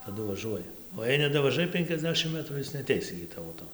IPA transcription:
tɐˈdʊ ʋɐˈʒuɔjɛ oː jɛɪ nʲɛdɐʋɐˈʒɐɪ pʲɛŋʲkʲɛzʲˈdʲæːʃʲɪm ˈmətruː ˈɪs nʲɛɐˈtʲɛɪs ɪɡʲɪ ˈtɑːʋoː ˈtoː

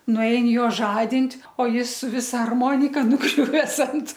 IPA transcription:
nʊˈɛɪn ˈjoː ˈʒɑːdʲɪnʲtʲ oː ˈjɪs sʊ ˈʋʲɪsɐ ɐrˈmoːnʲɪkɐ nʊˈɡrʲʊʋʲɛs ɐnt

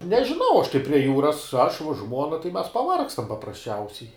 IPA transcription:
nʲɛʒʲɪˈnɐʊ ɐʃ tɐɪ pʲrʲiɛ ˈjuːrɐs ɐʃ ʋuɔ ˈʒmuɔnɐ tɐɪ mʲɛs pɐˈʋɐrkstɐm pɐprɐsʲˈt͡ʃʲɛʊsʲɛɪ

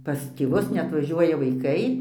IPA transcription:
pɐs tʲeːˈʋʊs nʲɛɐtʋɐˈʒʲuɔjɛ ʋɐɪˈkɐɪ

